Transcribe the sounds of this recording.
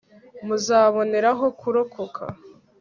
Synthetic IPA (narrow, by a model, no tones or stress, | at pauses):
muzaːβo̞ne̞ɾaɦo̞kuɾo̞kʰo̞kʰa̰